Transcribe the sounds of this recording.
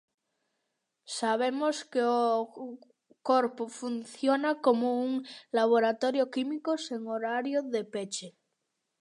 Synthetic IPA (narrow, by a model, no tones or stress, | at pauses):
saβ̞emoskeo | koɾpofunθjonakomouŋlaβ̞oɾat̪oɾjokimikoseŋoɾaɾjoðepet͡ʃe